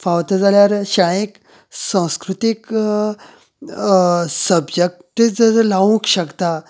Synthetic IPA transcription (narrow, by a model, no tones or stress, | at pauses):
fawt̪əd͡zaljaɾɕaɽ̃ek | sãw̃skɾut̪ik | səbjək̚t̪ed͡zəɾlaʋũkɕəkt̪a